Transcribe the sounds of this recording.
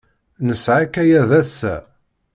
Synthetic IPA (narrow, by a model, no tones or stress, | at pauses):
nəsʕakæjæðæsːæ̰